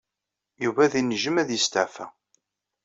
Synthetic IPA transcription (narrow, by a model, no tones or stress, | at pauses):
juvæðinʒəmæðjəst̪əʕfæ̰